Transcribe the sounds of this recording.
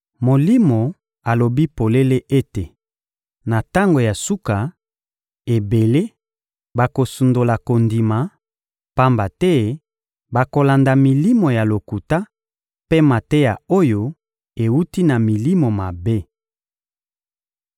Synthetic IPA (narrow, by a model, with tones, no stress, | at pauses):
mo˨li˦mo˨ | a˨lo˨bi˦po˨le˦le˦ʔe˦te˨ | na˨ta˦ŋɡo˨ja˨su˦ka˨ | e˨be˨le˦ | ba˨ko˨su˨ndo˨la˨ko˨ndi˨ma˨ | pa˦mba˨tɛ˦ | ba˨ko˨la˨nda˨mi˨li˦mo˨ja˨lo˨ku˨ta˦ | pe˦ma˨tɛ˦ja˨o˦jo˦ | e˨wu˦ti˦na˨mi˨li˦mo˨ma˨be˦